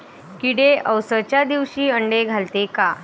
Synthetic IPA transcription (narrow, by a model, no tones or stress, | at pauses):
kiɽeʔəwsət͡ɕjad̪iʋɕiːəɳɖeɡʱalt̪eka